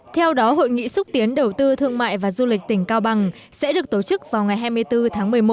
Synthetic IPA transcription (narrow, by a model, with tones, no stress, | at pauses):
t̪ʰɛ˧wɗɔ˨˦ɦo̰˧˨jŋḭ˧˨sʊ˦˥k͡p̚t̪i˨˦ənɗə˨˩wt̪ɨ˧t̪ʰɨ˧əŋma̰ː˧˨jvaː˨˩zu˧lï˨˩k̟̚t̪ï˧˩ŋ̟kaː˧wɓa˨˩ŋ | sɛ̰˧˥ɗɨ˨˩ək̚t̪o˧˩t͡ɕɨ˦˥k̚vaː˨˩wŋa˨˩jɦaː˧jmɨ˧əjt̪ɨ˧t̪ʰaː˨˦ŋmɨ˨˩əjmo˨˦˩